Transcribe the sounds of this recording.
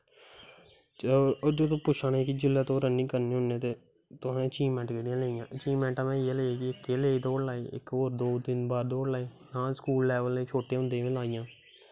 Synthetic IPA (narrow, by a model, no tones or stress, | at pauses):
d͡ʒoːt̪õːpʊʃʰãːneːkɪd͡ʒɪlːaːt̪õːɾənːĩːkəɾnẽːʊ̃nẽːt̪eː | t̪ʊnẽːt͡ʃiːmɛ̃ːɳʈkeːɽijãːleːijãːt͡ʃiːmɛ̃ːɳʈãːmɛ̃ːjeːleːeːkɪɪkːeːleːd̪oːɽlaːeːʔɪ̰koːɾd̪oːd̪ɪnbaːd̪d̪oːɽlaːeː | nãːskuːlːɛːʋəlːeːt͡ʃʰoːʈẽːʊ̃nd̪ẽːʋẽːlaːɪjãː